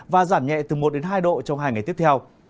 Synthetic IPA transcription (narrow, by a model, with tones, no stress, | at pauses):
vaː˨˩zaː˧˩mɲɛ̰˧˨t̪ɨ˨˩mo˨˩t̚ɗe˨˦nɦaː˧jɗo̰˧˨t͡ɕɔ˧wŋ͡mhaː˧jŋa˨˩jt̪i˦˥əpt̪ʰɛ˧w